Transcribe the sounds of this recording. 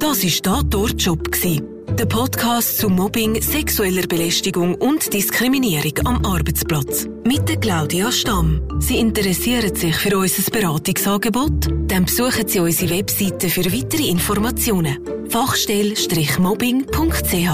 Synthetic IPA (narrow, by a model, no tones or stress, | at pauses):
d̥ɑsɪʃd̥ɑːtɔɾt͡ʃɔpksiː | d̥əpʰɔtkʰɑːstt͡sʊmɔbɪŋsɛksuɛləɾbelɛʃtɪɡʊŋʊntd̥iskɾiminiəɾɪɡɑmʔɑrbət͡splɑt͡s | mɪt̚dəklaʊdiɑʃtɑmsiːɪntəɾɛsiəɾətsɪχfyɾɔʏsəsb̥eɾaːtɪksɑːɡebɔtd̥ɛnpsuəχətsiːɔɪsiwɛpsitəfyɾvitəɾiɪnfɔrmɑt͡sjoːnəfɑχʃtɛlʃtrɪχmɔbɪŋpʰʊŋktt͡sehɑː